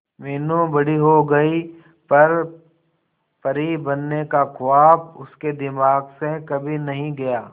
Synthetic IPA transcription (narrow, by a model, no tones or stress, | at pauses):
meːnũbɐɽiɦoɡɐi | pɐɾ | pɐɾibɐnːekakʊaːbʊsked̪ɪmaːɡsekɐbʱinɐɦĩɡɐjaː